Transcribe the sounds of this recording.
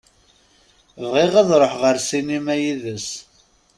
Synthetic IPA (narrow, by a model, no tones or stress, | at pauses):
vʁiʁɑðˤɾˤəħʁəɾsinimæjiðəs